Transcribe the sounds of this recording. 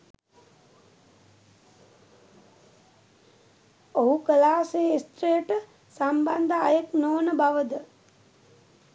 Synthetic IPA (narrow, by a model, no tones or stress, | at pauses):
oɦukəlaːsejest̪ɾejəʈə | samband̪əajəknoːnəbaʋəd̪ə